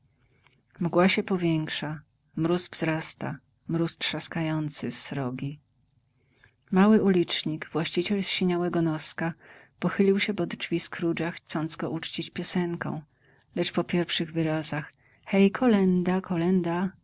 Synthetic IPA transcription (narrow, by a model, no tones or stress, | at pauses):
mɡwaɕɛpɔvʲjɛŋkʂa | mɾuzvzɾast̪a̰ | mɾustʂaskajɔnt̪sɘsɾɔɡʲi | mawɘulʲit͡ʂɲiɡvwaɕt͡ɕit͡ɕɛlsɕiɲawɛɡɔnɔskapɔxɘlʲiwɕɛbɔd̪d͡ʐvʲiskɾud͡ʑaxt̪sɔnd̪zɡɔʔut͡ʂt͡ɕit͡ɕpʲjɔsɛŋkɔ̰̃w̃ | lɛt͡ʂpɔpʲjɛɾfʂɘɣvɘɾazax | xɛjkʰɔlɛnd̪akʰɔlɛnd̪a